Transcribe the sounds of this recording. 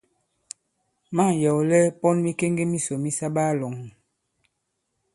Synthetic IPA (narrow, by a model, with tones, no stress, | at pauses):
ma˦˨jɔ˨wlɛ˦pɔ˦nmi˦ke˦ŋɡe˦mi˦so˨mi˦sa˦ba˦lɔ˨ŋ